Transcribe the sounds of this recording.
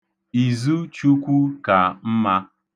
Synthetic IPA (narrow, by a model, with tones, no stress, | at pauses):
i˨zu˦t͡ʃu˦kʷu˦ka˨m̩˦ma˦